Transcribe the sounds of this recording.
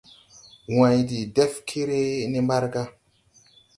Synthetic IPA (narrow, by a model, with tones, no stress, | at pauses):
wã˨jdi˨de˦fkʰe˦ɾe˦ni˦mba˦ɾɡa˦